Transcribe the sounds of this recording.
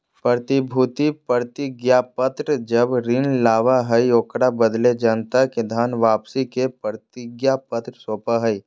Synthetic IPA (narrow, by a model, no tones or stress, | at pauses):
pɾəɾt̪ɪbʱuːt̪ipəɾt̪ɪɡjapət̪ɾəd͡ʒəbɾɪnlaːʋaɦəioːkɽabəd̪led͡ʒɐnt̪aked̪ʱaːnʋaːpsikepəɾt̪ɪɡjapət̪ɾəsoːpaɦəi